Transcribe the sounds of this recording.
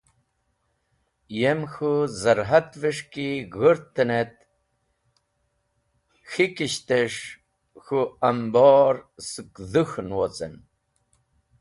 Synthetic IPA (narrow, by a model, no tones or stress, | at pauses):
jemxuzɐɾɦat̪vəʂkiɣəɾt̪ːənet̪ | xikiɕt̪eʂ | xuambɔːɾsɨkðɨxnwot͡sʼə̰n